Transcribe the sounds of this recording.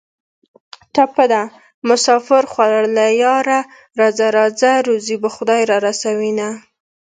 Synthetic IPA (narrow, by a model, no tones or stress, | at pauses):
t̪apad̪a | mʊsɑfɪɾxwalaɽlajɑɾa | ɾɑzaɾɑzaɾuzibaxʊd̪ɑjɾɑɾasawina